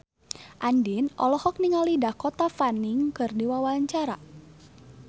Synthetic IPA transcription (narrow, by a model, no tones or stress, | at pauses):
ʔandinʔɔ̰lɔhɔk̚niŋalidakɔt̪afaniŋkɨrdiwawaɲt͡ʃaɾa̰